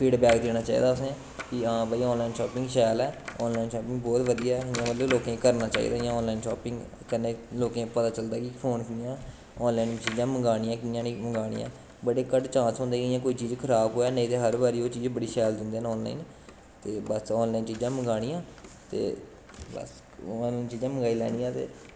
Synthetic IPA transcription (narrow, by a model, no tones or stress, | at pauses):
pʰiːɖbɛːkd̪eːñaːt͡ʃaːḭːd̪aːʊsẽː | kiãːbaːiːɔːnlaːinʃɔːpɪŋɡʃɛːlɛːɔːnlaːinʃɔːpɪ̃ŋɡbɔːt̪ʋəd̪ijaɛjãːbəlːoːloːkẽːkəɾnaːt͡ʃa̰ːḭːd̪aːɪjãːɔːnlaːinʃɔːpɪ̃ŋɡ | kənːẽːloːkẽːpət̪aːt͡ʃəld̪aːkipʰoːnkiːjãː | ɔːnlaːint͡ʃiːd͡ʒãːməɡaːɽ̃ɪjãːkɪãːnĩːməŋɡaːɽḭjã̰ː | bəɽeːkəʈt͡ʃãːsɦõnd̪eːkɪjãːkoːiːt͡ʃiːd͡ʒkʰəɾaːbɦoːɛːnẽit̪eːɦəɾbaːɾiːoːt͡ʃiːd͡ʒbəɽiːʃɛːld̪ɪnd̪eːnɔːnla̰ːiːn | t̪eːbəsɔːnlaːint͡ʃiːd͡ʒãːməŋɡaːɽ̃ĩːãːt̪ḛː | bə̰sː | nlaːnt͡ʃiːd͡ʒãːməɡaːiːlɛ̰ːɽ̃ĩːãːt̪ḛː